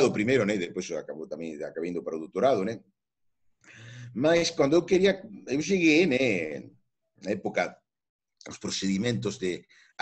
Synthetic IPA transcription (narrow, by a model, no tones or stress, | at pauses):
ðʊpɾimejɾʊnɛ̃iðepojsakaβot̪amɛ̃ŋakaβind̪ʊpaɾaoðot̪oɾaðʊnɛ̃ | maskwand̪oewkeɾiaewʃ̬eɣeme | naɛpoka | o̰spɾoθeðimẽnt̪ozðe